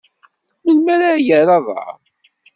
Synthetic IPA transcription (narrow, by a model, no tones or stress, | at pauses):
məlmæɾajəɾɑðˤɑ̰